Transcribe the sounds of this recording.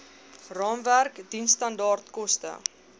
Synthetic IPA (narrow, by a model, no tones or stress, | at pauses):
rɑːmværkdinstɐndɑːrtkɔstə̰